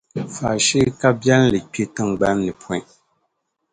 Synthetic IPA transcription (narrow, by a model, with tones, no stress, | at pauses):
fa˨ʃi˦ka˦bjɛ˦llɨ˨k͡pe˦tɨ˦ŋ˨ɡ͡ba˦mnɨ˨pʰwɔ̃˨i˦